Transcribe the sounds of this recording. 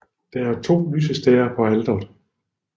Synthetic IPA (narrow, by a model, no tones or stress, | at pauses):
d̥ɑæɐt͡sʰo̝̰ːlyːsəsd̥ɛːɐpʰɒ̽æld̥ɐðˠ